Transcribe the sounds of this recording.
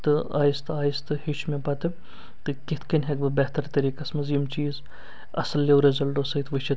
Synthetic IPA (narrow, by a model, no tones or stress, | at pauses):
t̪ɨa̰ːjist̪aːjist̪ɨhit͡ʃʰmʲepɐt̪ɨ | t̪ɨkit̪ʰkɐnʲɦekbɨbet̪ɐɾt̪ɐɾiːkɐsmɐzimt͡ʃiːz | ɐ̰sɐlːewɾezɐlɖoːsɐjt̪ʰʋɨt͡ʃʰit̪